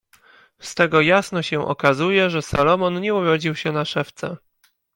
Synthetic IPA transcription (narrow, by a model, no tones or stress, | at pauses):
st̪ɛɡɔjasnɔɕɛʔɔ̰kazujɛʐɛsalɔmɔnɲɛuɾɔd͡ʑiwɕɛnaʂɛft̪sɛ